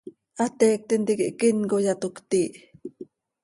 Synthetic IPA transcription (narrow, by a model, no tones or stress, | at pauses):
ʔat̪eːk̚t̪int̪ikiʔkiŋkojat̪ukt̪iːʔ